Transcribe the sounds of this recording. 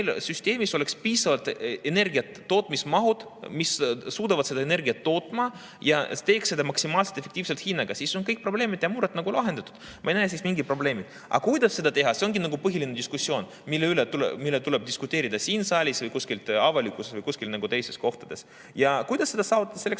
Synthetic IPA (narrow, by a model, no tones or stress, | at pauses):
elsyst̪ʲe̞ːmiso̞le̞kspiːsɑvɑlt̪ene̞rɡiɑt̪ːo̞ːt̪ːˑmismɑɦud̪̥missuːd̪̥ɑvɑt̪se̞d̪ɑene̞rɡiɑt̪ːo̞ːt̪ːˑmɑ | jɑ̰t̪e̞ːksːe̞d̪ɑmɑksimɑːlselt̪efːekt̪iːvselt̪hinːɑɡ̥ɑsiːso̞nkɤjk̚pro̞bleːmid̪jɑmuːɾet̪nɑɡulɑɦe̞nd̪ɑt̪u̥d̪̥ | mɑ̰ejnæːs̬iːsmiŋɡid̪̚pro̞ble̞ːmid̪̥ | ʔɑ̰kujd̪ɑsse̞d̪ɑt̪eɦɑse̞o̞nɡinɑɡupɤɦilʲined̪ʲiskusːio̞ːn | milːeylet̪ulmilːet̪uleb̚d̪iskut̪ːˑeːɾid̪ɑsiːnsɑːlʲisvɤjkuskilt̪ɑvɑlʲikːˑusesvɤjkusʲkilnɑɡut̪e̞jst̪e̞sko̞ht̪ɑd̪̥e̞s | jɑkujd̪̥ɑsːed̪ɑsɑːvut̪ːˑɑd̥̪ɑselːes